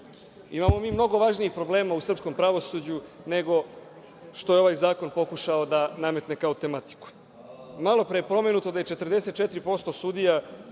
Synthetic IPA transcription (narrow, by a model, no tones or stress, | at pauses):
ḭmamo̞miːmno̞ɡo̞ʋaʒniixpɾo̞ble̞ːmausr̩psko̞mpɾaʋo̞sud͡ʑu | ne̞ɡo̞ | ʂt̪ojeo̞ʋajzaːko̞npo̞kuʃaod̪aname̞t̪nekaot̪e̞mat̪i̥ku̥ | malo̞pɾejepɾo̞me̞nut̪od̪ajet͡ʃet̪rd̪eset̪̚t͡ʃet̪ɾipo̞st̪o̞sud̪ija